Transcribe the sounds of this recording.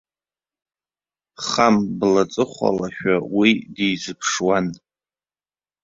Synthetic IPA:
χamblat͡sʼɨχʷa̰laʃᶣawidejzɨpʰʂwan

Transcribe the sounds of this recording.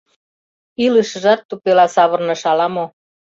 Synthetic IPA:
iləʃə̆ʒɑt̪ːupelɑsɑβɤ̆rnɤ̆ʃɑlɑmo

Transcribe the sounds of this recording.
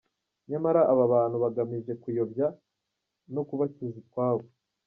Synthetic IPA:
ɲamaɾaʔaβaβaːnhuβaɡamiʒe̞kujo̞bja | no̞kuβacizikwaːβo

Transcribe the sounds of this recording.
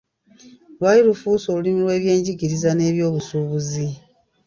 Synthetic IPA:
lwaliɾufuːsoːlulimilwe̞ːβje̞ːɲɟiɡiɾizane̞ːβjo̞ːβusuβuzi

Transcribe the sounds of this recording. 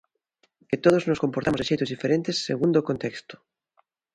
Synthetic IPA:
ket̪oð̞oznoskompoɾt̪amozeʃejt̪ozðifeɾẽnt̪esːeɣund̪okont̪ekst̪o̥

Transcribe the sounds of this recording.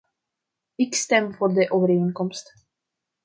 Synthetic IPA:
ɪkst̪ɛmfɔɾd̪əʔovəɾenkɔmst̪

